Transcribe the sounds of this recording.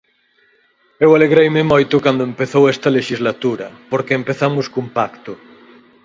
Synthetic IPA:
ewaleɣɾejmemojt̪ʊkand̪oempeθowɛst̪ɐleʃizlat̪uɾɐpoɾkeːmpeθamʊskumpakt̪ʊ

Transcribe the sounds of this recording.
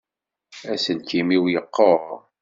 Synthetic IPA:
æsənkimiwjəqːə

